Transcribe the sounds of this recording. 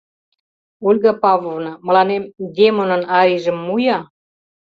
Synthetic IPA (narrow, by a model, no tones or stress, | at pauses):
ulʲɣɑpɑvlovnɑmə̆lɑnemd̪ʲemonə̆nɑɾiʒə̆mːujɑ